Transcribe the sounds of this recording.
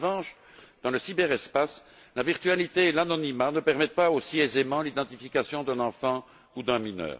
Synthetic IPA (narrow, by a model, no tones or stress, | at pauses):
vɑ̃ʃ | d̪̥ɑ̃ləsibɛʁɛspas | laviʁt̪yalit̪eːlanɔnimanəpɛʁmɛt̪̚paosiezemɑ̃lid̪ɑ̃t̪ifikʲasjɔ̃d̪ɛ̃nɑ̃fɑ̃ | ud̪ɛ̃minœ̰ːʁ